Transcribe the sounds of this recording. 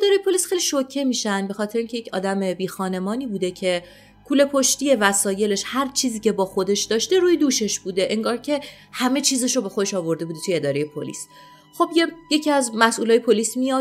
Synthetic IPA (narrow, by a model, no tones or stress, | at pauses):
ed̪ɒːɾejepʰo̞lisxeliʃocʰːe̞miːʃænd̪be̞xɒːt̪ʰɾeiŋcʰejecʰɒ̰ːd̪æme̞biːxɒːne̞mɒːniːbuːd̪ecʰe̞ | kʰuːle̞pʰo̞ʃt̪ije̞væsɒːje̞le̞ʃhæɾt͡ʃʰiːziːcʲʰe̞bɒːxo̞d̪e̞ʃd̪ɒːʃt̪e̞ɾuːjed̪uːʃe̞ʃbuːd̪e̞ʔeŋɡɒːɾcʰe̞ | hæme̞t͡ʃʰiːzeʃobe̞xod̪eʃɒːvo̞ɾd̪ebud̪et̪ʰujeed̪ɒːɾejepʰo̰lḭs | xo̞bjeje̞cʰiæzmæsʔuːlɒːjepʰoliːsmijɒ